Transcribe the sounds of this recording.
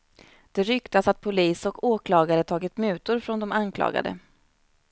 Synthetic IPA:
d̪̥ɛɾʏkt̪asat̪̚pʰʊliːsɔkoːkʰlɑːɡaɾət̪ʰɑːɡɪt̪mʉ̟ːt̪ʊɾfɾɔnd̪ɔmankʰlɑ̰ːɡa̰d̪ə̰

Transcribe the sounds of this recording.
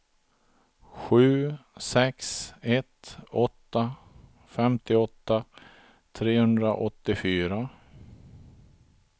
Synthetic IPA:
ɧʉ̟ːsɛksɛt̪ɔt̪ːa | fɛmt̪ɪɔt̪ːa | t̪ʰɾeːhɵnd̪ɾaʔɔt̪ːɪfyːɾa

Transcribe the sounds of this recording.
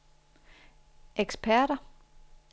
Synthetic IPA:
eɡ̥spʰæɐ̰ɾɐ

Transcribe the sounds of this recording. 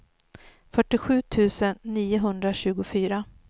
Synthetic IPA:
fœʈːɪɧʉ̟ːt̪ʰʉ̟ːsənːiːʊɦɵnd̪ɾaɕʉ̟ːɡʊfyːɾa

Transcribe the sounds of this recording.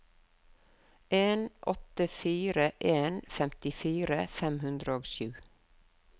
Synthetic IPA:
eːnʔɔt̪əfiːɾəʔeːnfɛmt̪ɪfiːɾəfɛmhʉnd̪ɾəoːɡʃʉː

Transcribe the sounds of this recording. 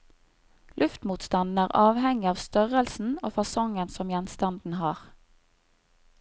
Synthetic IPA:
lʔʉft̪muːt̪st̪ɑnn̩æːʁɑːʋhɛŋɪɑːʋst̪œʁəlsn̩oːfɑsɔŋənsɔmjɛnst̪ɑnd̪n̩hɑːʁ

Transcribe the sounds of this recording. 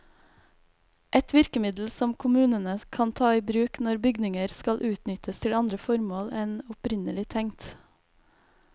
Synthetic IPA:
ʔɛt̪ʋɪɾkəmɪd̪l̩sɔmkʰʊmʉːnənəkʰɑnt̪ʰɑːiːbɾʉːknɔɾbʏɡnɪŋəɾskɑlʔʉːt̪nʏt̪əst̪ʰɪlɑnd̪ɾəfɔɾmoːlɛnʊpɾɪnəlɪt̪ʰɛŋt̪

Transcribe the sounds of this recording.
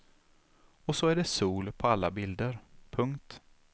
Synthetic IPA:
ɔsɔæɖɛsuːlpʰɔalːabɪld̪əɾpʰɵŋkt̪

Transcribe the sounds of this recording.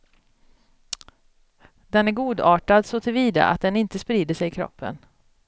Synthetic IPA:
d̪ɛnæɾɡuːd̪ɑːʈad̪sɔt̪ʰɪlviːd̪a̰ʔa̰t̪̚d̪ɛnɪnt̪əspɾiːd̪əʂɛjɪkʰɾɔ̰pːə̰n

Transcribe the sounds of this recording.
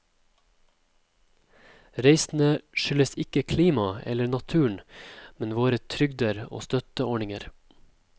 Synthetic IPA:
ɾeɪsn̩əʃʏləsɪkəkʰliːmɑɛ̰lənɑt̪ʰʉːɳ̩mɛnʋoːɾət̪ʰɾʏɡd̪əɾo̰ːst̪œt̪əɔɳɪŋəɾ

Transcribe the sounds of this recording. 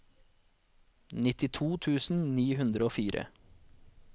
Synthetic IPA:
nɪt̪ɪt̪ʰuːt̪ʰʉːsn̩niːɦʉnd̪ɾəoːfiːɾə̰

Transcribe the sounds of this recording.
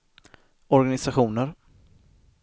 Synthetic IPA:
ɔɾɡanɪsaɧuːnəɾ

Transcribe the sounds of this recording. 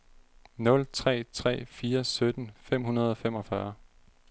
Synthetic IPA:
nɔ̽lt͡sʰʁɛ̰ːt͡sʰʁɛ̰ːfiːɐsød̥n̩fem̰ɦunɐð̞ˠɒ̽femɒ̽fɶɐ

